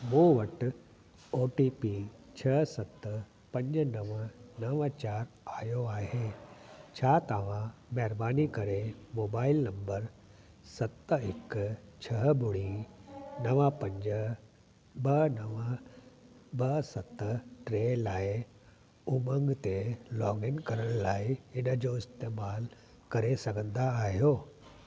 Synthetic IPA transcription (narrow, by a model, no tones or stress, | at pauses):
mũːʋɐʈ | oːʈiːpi | t͡ʃʰɐsɐt̪ | pɐ̃ɲd͡ʒnɐʋənɐʋat͡ʃaːɾ | aːjoaːɦeːt͡ɕʰaːt̪aːʋãmɛːɾbaːnikɐɾemoːbaːɪlnɐ̃mbəɾ | sɐt̪ːɪkt͡ʃʰɐɦbʊɽi | nɐʋãpɐ̃ɲd͡ʑ | bɐnɐʋə | bɐsɐt̪ʈɾeːlaːɪ | ʊmə̃ŋɡt̪elɔːŋɡɪnkɐɾəɽ̃laːɪɪnə̆d͡ʑoːɪst̪eːmaːl | kɐɾesɐɡʱə̃nd̪aːɦijoː